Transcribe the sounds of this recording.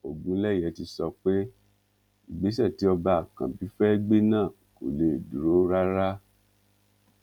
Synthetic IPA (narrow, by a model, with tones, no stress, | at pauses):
o˨ɡũ˨˦lɛ˦˨jɛ˨˦ti˧sɔ˧k͡pe˦ | i˨ɡ͡be˨˦sɛ˦˨ti˨˦ɔ˧ba˧a˨kã̰˨bi˨˦fɛ˦ɡ͡be˦nãː˦˨ | ko˨le˨du˨ɾo˨˦ɾa˦ɾa˦